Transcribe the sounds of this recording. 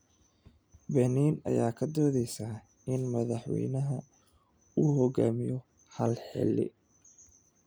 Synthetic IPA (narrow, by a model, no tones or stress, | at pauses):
bɛniːnɐ̰jaːkʰɐd̪ɔːðɛjsaː | ɪnmɐðɑħwɛ̰jnɐɦɐ | uːhɔɡaːmɪjɔ | hɐlħɛ̰lːɪ̰